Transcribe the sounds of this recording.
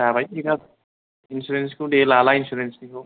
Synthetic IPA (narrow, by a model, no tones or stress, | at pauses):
abʱajekat̪ | insuɾenskoɖeːlalainsuɾensnikʰo